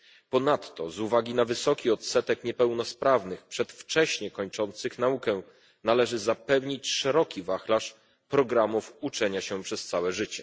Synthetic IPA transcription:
pɔnat̪ːɔzuvaɡʲinavɘsɔkʲiɔt̪sɛt̪ɛkɲɛpɛwnɔspɾavnɘxpʂɛt̪ft͡ʂɛɕɲɛkɔɲt͡ʂɔnt̪sɘxnaukɛ | nalɛʐɘzapɛvɲit͡ɕʂɛɾɔkʲivaxlaʂ | pɾɔɡɾamufut͡ʂɛɲaɕɛpʂɛst̪sawɛʐɘt͡ɕɛ

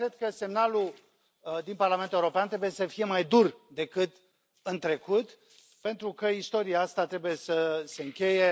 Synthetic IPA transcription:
kɾe̞d̪̚kəse̞mnalu | d̪inparlamenuleuɾo̞peant̪ɾebuje̞səfije̞majd̪urd̪e̞kɨt̪ | ɨnt̪ɾe̞kut̪ | pe̞nt̪ɾukəist̪o̞ɾiaast̪at̪ɾe̞buje̞səse̞ɨŋkʲe̞je

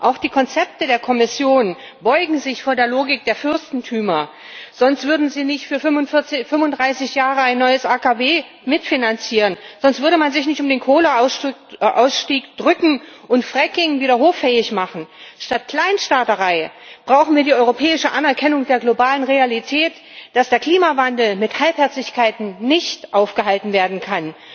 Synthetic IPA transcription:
ʔaʊxd̥iːkʰɔnt͡sɛp̚tədeːɐkʰɔmɪsjoːn | b̥ɔʏɡŋ̩zɪçfoːɐdeːɐloːɡɪk̚d̥eːɐfʏɐstn̩tʰyːmɐ | z̥ɔnstv̥ʏɐdn̩ziːnɪçtfyːɐmʊnt͡sfʏmʊndʁaɪsɪçjaːʁəaɪnːɔʏəsʔaːkaveː | mɪtfinant͡siːʁənz̥ɔnstv̥ʏɐɾəmanzɪçnɪçtʊmdeːnkʰoːləaʊsʔa̰ʊsʃtiːkd̥ʁʏkŋ̩ʔʊntfʁ̥ɛkɪŋviːɾɐɦoːffɛːɪçmaχn̩ʃtat̚kl̥aɪnʃtaɐtəʁaɪb̥ʁaʊxn̩viːɐdiːʔɔʏʁopʰɛːɪʃəʔanɛɐkʰɛnʊŋd̥eːɐɡlobaːlənʁealitʰɛːt | d̥asd̥eːɐkʰl̥iːmavandl̩mɪthalphɛɐt͡sɪçkʰaɪtn̩nɪçtʔaʊfɡ̥əhaltn̩veːɐdn̩kʰan

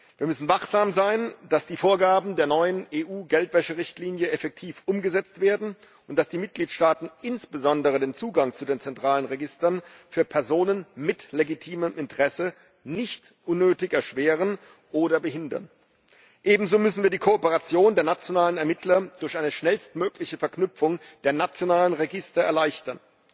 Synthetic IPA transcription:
viːɐmʏsn̩vaχz̥aːmzaɪnd̥asd̥iːfoːɐɡaːbm̩deːɐnɔʏəneːʔuːɡɛltv̥ɛʃəʁɪçtliːnjəɛfɛk̚tʰiːfʔʊmɡəzɛt͡stv̥eːɐdn̩ | ʔʊnt̚d̥asd̥iːmɪt̚ɡ̥liːtʃtaːtn̩ʔɪnsb̥əzɔndəʁ̞ədeːnt͡suːɡaŋt͡sudeːnt͡sɛntʁ̥aːlənʁeɡɪstɐnfyːɐpʰɛɐzoːnənmɪtleɡitʰiːməmʔɪntəʁɛsə | nɪçt | ʔʊnːøːtɪçɛɐʃv̥eːʁən | ʔoːdɐbəɦɪndɐ̰n | ʔeːbm̩zoːmʏsn̩viːɐdiːkʰoopəʁat͡sjoːndeːɐnat͡sjonaːlənɛɐmɪtʰlɐd̥ʊɐçʔaɪnəʃnɛlstmøːklɪçəfɛɐknʏpp͡fʊŋd̥eːɐnat͡sjonaːlənʁeɡɪstɐɛɐlaɪçtɐn

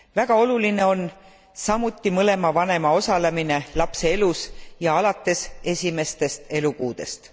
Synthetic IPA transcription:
væɡ̥ɑo̞luline̞o̞n | sɑmut̪ːˑimɤle̞mɑvɑne̞mɑo̞sɑle̞mine̞lɑpse̞elusjɑɑlɑt̪ːˑe̞se̞sʲime̞st̪e̞st̪e̞lukuːd̪̥e̞st̪

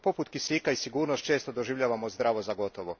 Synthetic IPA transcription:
po̞put̪kisikaisiɡuːɾnost̪̚t͡ʃe̞ːst̪o̞d̪oʒiʋʎaːʋamozd̪ɾaːʋozaɡo̞t̪oʋo

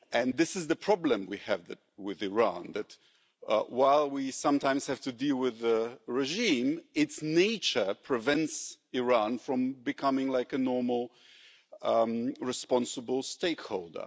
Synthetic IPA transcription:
ɨ̃nðɪsɨzðɨpʰɹ̥ɑblə̃mwiɨvðɨt̚wɪðɨɹɑ̰̃nðɨt̚ | waɪlˠwisʌ̃mtãɪ̃mz̥hæv̥tɨdilˠwɪðəɹɛʒĩmɪtsneɪt͡ʃə˞pʰɹ̥ɨvɛ̃ntsɪɹɑ̃nfɹʌ̃mbɨkʰʌmɪ̃ŋlaɪkɨnɔɹml̩ˠ | ɹɨspɑ̃nsəbl̩ˠsteɪkhoʊlˠdə̰˞

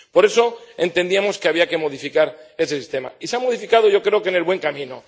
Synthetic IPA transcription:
po̞ɾe̞so̞e̞nt̪e̞nd̪iamo̞ske̞aβiake̞mo̞ðifikaɾe̞se̞sist̪e̞ma̰iseamo̞ð̞ifikað̞oʝo̞kɾe̞oke̞ne̞lβwe̞ŋkamĩno

